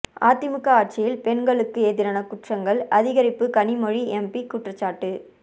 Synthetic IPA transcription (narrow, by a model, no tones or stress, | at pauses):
a̰ːt̪ːɪmɯkːɐaːʈ̚t͡ʃɪjɪlpɛnɡɐɭɯkːɯeːðɪɾɐnɐkʊʈrɐŋɡɐɭɐðɪɣɐɾɪpːɯkɐnɪmɔɻiɛmpikuʈrɐt͡ʃːaːʈːɯ